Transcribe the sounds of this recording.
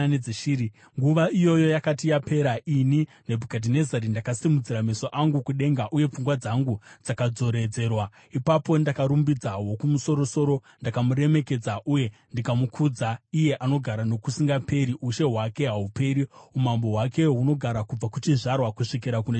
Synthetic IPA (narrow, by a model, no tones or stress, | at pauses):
ed͡zʃiːɾi | ŋɡuʋaijo̞jo̞jakatijape̞ɾaʔininebʱukadʱine̞zaɾindakasimud͡ziɾamesoʔaŋɡukuɗe̞ŋɡaʔuje̞p͡fuŋɡwad͡zaŋɡud͡zakad͡zo̞ɾe̞d͡ze̞rwa | ipapo̞ndakaɾumbid͡zaɦwo̞kumuso̞ɾo̞so̞ɾo̞ | ndakamuɾe̞me̞ke̞d͡zaʔuje̞ndikamukʰud͡zaije̞ʔano̞ɡʱaɾano̞kusiŋɡape̞ɾiʔuʃe̞ɦwake̞ɦaupe̞ɾiumambo̞ɦwake̞ɦuno̞ɡʱaɾakub͡vakut͡ʃiʐarwakuʂik̬iɾakune